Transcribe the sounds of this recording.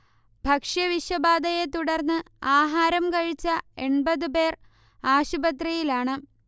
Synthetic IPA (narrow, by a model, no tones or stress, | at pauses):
bʱɐkʂjɐʋiʂwɐbaːd̪ɐjet̪uɽɐrnːɨ | aːɦaːɾɐmkɐɻit͡ɕːɐe̞ɳbɐðɨpe̞ːr | aːɕubɐt̪rɐjilaːɳɨ